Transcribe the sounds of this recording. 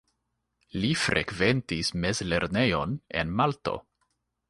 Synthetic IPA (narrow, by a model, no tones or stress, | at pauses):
lifɾʔe̞̰kve̞ntisme̞zle̞ɾne̞jo̞ne̞̰nmalto̞̰